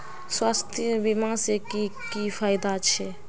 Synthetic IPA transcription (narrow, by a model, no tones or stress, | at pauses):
swast̪ʰbimãsekikipʰajɪd̪at͡ʃʰɛ